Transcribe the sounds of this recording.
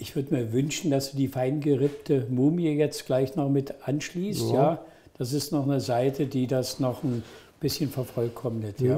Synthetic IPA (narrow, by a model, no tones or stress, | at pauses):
ʔɪçv̥ʏɐdəmiːɐvʏnʃn̩d̥asd̥uːdiːfaɪnɡəʁɪptʰəmuːmiəjɛt͡stɡ̥laɪçnɔχmɪtʰʔanʃliːstjaː | d̥as̬ɪstnɔχnəzaɪtʰədiːdasnɔχn̩ | b̥ɪsçənfɛɐfɔlkʰɔmənɪtjaː